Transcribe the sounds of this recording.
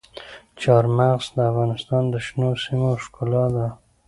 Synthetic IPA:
t͡ʃɑɾmaɣzd̪əafɣɑnɪst̪ɑnd̪əʃnosimoʃkulɑd̪a

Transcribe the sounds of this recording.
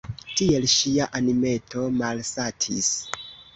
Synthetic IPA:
tie̞lʃiaʔanime̞to̞malsatʰḭs

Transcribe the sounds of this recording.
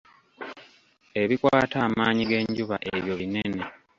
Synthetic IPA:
e̞βikwaːtaːmaːɲiɡe̞ɲɟuβaʔeβjo̞βine̞ne̞

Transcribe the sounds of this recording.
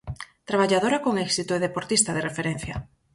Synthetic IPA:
t̪ɾaβ̞aʎaðoɾakoŋɛksit̪oeð̞epoɾt̪ist̪aðerefeɾen̟θja̰

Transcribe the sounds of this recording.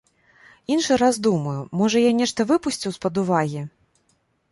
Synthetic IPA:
inʂɨɾazd̪umɐjumɔʐɐjanʲɛʂt̪ɐvɨpusʲt͡sʲiwspɐd̪uvaɣʲi

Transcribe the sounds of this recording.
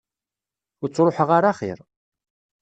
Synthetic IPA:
ʊɾt͡sːɾˤoħəʁaɾaχḭɾ

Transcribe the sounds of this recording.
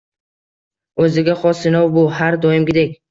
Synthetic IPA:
ɵzɪɡʲaχɒsɪnɒwbʊhaɾd̪ɒjɪmɡʲɪd̪ekʲ

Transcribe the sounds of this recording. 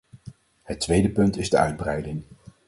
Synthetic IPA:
hətːʋejdəpɵntɪzdəœ̰ɥd̚brɛjdɪŋ

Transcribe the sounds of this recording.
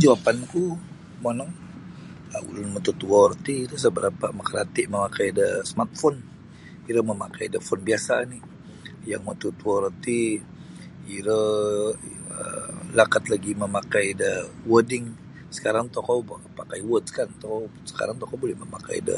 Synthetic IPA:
d͡ʒawapanku | mənɔŋ | a̰ṵlʊnmət̪ut̪uɔrt̪iiɾəs̬əbəɾapaməkəɾat̪ɪʔməmakajdəsəmart̪̚fɔn | iɾəməmakajdəfɔnbiasani | jaŋmət̪ut̪uɔɾət̪i | iɾə | ə̰lakat̪laɡiməmakajdəwədɪŋ | sə̥kaɾaŋt̪ɔkawpakajwət̪̚skant̪ɔkaw | sə̥ka̰ɾaŋt̪ɔkawbolɛhməma̰ka̰jdə̰

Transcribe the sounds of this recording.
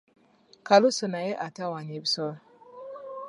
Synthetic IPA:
kalusunajeʔatawaɲebsɔ

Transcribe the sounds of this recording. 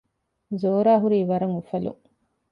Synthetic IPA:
zoːɾaːɦuɾiːʋɐɾɐŋufɐlṵ

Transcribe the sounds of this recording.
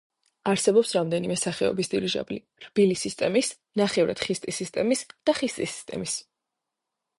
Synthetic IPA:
aɾsɛbɔpsɾamd̪ɛnimɛsaχɛɔ̰bisd̪iɾiʒa̰bli | ɾbilisist̪ʼɛmis | naχɛvɾa̰d̪̥χist̪ʼisist̪ʼɛmisd̪̥aχist̪ʼisi̥st̪ʼɛ̰mis

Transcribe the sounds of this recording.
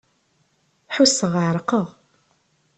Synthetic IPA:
ħusəʁʕɾˤqəʁ

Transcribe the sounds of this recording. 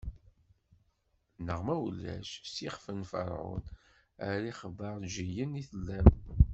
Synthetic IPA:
nəʁmæwlːæ̰ʃsiχfənfə̰ɾˤʕʊ̰n | æɾiχəvəɾˤʒijəniθəlːæm

